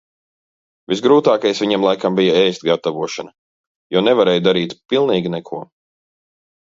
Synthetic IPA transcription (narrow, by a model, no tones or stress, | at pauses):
visɡɾuːt̪aːkajsvʲiɲɛmlˠajkambijaɛːst̪ɡat̪avuɔʃanɐ | jɔnɛvaɾɛːjd̪aɾiːt̪pilˠniːɡʲinɛkʰuɔ